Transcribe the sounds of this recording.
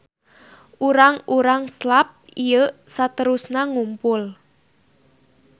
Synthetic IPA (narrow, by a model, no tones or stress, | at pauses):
ʔuɾaŋuɾaŋslap̚ | ijəsat̪əɾusnaŋumpʊl